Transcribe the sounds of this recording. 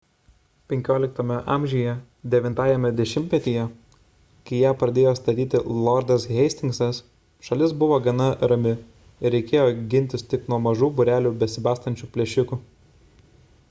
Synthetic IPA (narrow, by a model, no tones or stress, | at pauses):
pʲɛŋʲkʲoːlʲɪk̚t̪oːmʲɛʔɑːˑmʲʒʲijɛ | d̪ʲɛʋʲɪnt̪ɑːjɛmʲɛd̪ʲɛʃʲɪmʲt̪ʲmʲɛt̪ʲijɛ | kɐɪjæːpɾɐd̪ʲeːjoːst̪ɐt̪ʲiːt̪ʲɪlˠɔɾd̪ɐsɣʲɛɪsʲt̪ʲɪŋksɐs | ʃɐlʲɪsbʊʋoːɡɐnɐɾɐmʲɪ | ɪɾʲɛɪkʲeːjoːɡʲɪnʲt̪ʲɪst̪ʲɪknuɔmɐʒuːbʊɾʲæːlʲuːbʲɛsʲɪbɑːst̪ɐnʲt͡ʃʲupʲlʲɛʃʲʊku